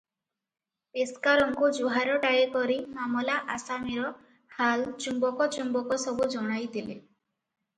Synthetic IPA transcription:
peskaɾɔŋkud͡ʒuɦaɾɔʈajekɔɾimamɔlaʔasamiɾɔ | halt͡ʃumbɔkɔt͡ʃumbɔkɔsɔbud͡ʒɔɽ̃ajt̪ilḛ

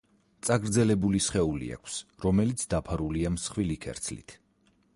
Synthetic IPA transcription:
t̪sʼaɡɾd̪zɛlɛbulisχɛulḭa̰kʷʰsɾɔmɛlit̪sʰd̪apʰaɾuliamsχwilikʰɛ̰ɾt̪sʰlḭt̪ʰ

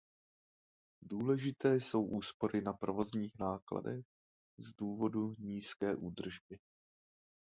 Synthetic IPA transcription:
duːlɛʒɪt̪ɛːso̞wʔuːspo̞ɾʔɪnapɾo̞vo̞zɲiːxnaːkla̰dɛx | zduːvo̞duɲiːskɛːʔuːd̪r̩ʒbɪ

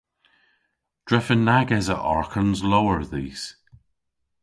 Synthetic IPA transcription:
d̥ɹɛfənːaɡɛzə̰ʔɔ̰ɹkʰənzlowəɹðiːs

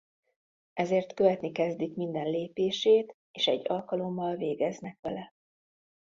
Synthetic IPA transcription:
ɛzeːrt̪kø̞vɛt̪nikɛzd̪ikmind̪ɛnleːpeːʃeːt̪ | eːʃɛ̰ɟːɒlkɒlo̞mːɒlveːɡɛznɛkʋɛlɛ

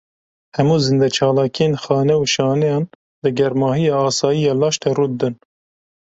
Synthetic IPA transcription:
hɛmuːzɨnd̪ɛt͡ʃʰɑːlɑːkʰijenxɑːnɛuʃɑːnɛjɑːn | lɨɡɛɾmɑːhijɑːɑːsɑːjijɑːlɑːʃt̪ɛruːd̪ɨn

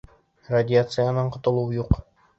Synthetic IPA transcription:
radʲɪat̪sɨjanɤɴqŏt̪ŏlˠuwjuq

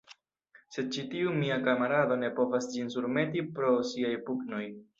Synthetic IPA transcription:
se̞d̚t͡ʃitiumiakamaɾado̞ne̞po̞vasd͡ʒinsuɾme̞tipɾo̞siajpukno̞j

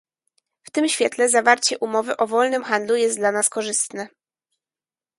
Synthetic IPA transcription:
ft̪ɘmɕfʲjɛt̪lɛzavaɾt͡ɕɛʔumɔvɘʔɔvɔlnɘmxand̪lujɛst̪d̪lanaskɔʐɘst̪nɛ

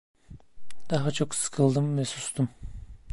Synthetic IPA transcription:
d̪̥aɦat͡ʃʰo̞ksɯ̥kʰɯlˠd̪ɯmvɛsust̪ʰum

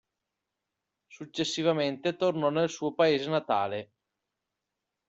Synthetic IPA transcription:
sut͡ʃːesːivament̪et̪ornɔnelsuːopaeːzenat̪a̰ːle

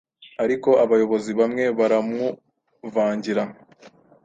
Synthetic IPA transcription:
aɾiko̞ʔaβajo̞βo̞ziβamŋe̞βaɾamu | vaːɲɟiɾa

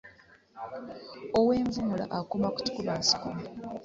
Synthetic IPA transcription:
owe̞ːɱvumula̰ʔakomaku̥tu̥kuβaːsi̥kuma

